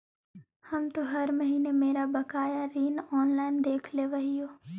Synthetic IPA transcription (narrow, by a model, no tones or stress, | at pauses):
həmt̪oɦɐɾmɐɦiːnemeːɾabɐkaːjaɾiːnɔːnlaːɪnd̪eːkʰleʋɐɦijoː